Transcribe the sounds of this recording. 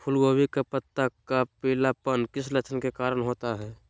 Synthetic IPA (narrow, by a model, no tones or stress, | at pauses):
pʰʊlɡoːwikapət̪ːakapilapənkɪslət͡ʃʰənkekaːɾənɦoːt̪aɦɛː